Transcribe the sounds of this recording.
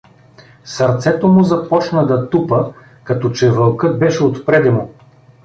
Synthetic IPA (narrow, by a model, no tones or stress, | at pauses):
sɐɾt̪sɛt̪omʊzɐpɔt͡ʃnɐd̪ɐt̪upə | kɐt̪ɔt͡ʃɛvɐlˠkɤt̪̚bɛʃɛot̪pɾɛd̪ɛmʊ